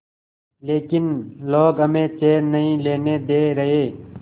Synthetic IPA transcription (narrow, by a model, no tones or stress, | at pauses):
leːkɪnloːɡəmẽːt͡ʃeːɾnəɦĩːleːneːd̪eːɾəɦeː